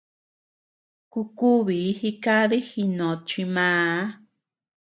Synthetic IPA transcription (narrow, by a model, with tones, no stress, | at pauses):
ku˧ku˦βi˨˦hi˦ka˦ði˦hi˧nõ˨t͡ʃi˧mãː˧˦